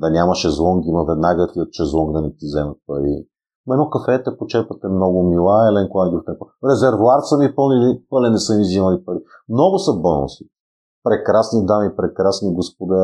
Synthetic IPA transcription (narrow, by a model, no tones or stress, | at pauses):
d̪ɐnʲamɐʃɛzlˠɔŋɡimɐvɛd̪naɡət̪iot̪t͡ʃɛzlˠɔŋɡd̪ɐnɛt̪izɛmɐt̪̚pɐɾḭ | mɛnɔkɐfɛt̪ɛpot͡ʃɛɾpɐt̪ɛmnɔɡʊmilˠaɛlɛnkoɡaniɡ̪ɾuft̪ɛnpɾɛzɛɾvoaɾt̪sɐmipɤlˠnilipɤlɛnɛsɐmizimɐlipɐɾi | mnɔɡʊsɐbɔno̰si̥ | pɾɛkɾasnid̪amipɾɛkɾasniɡosp̚od̪a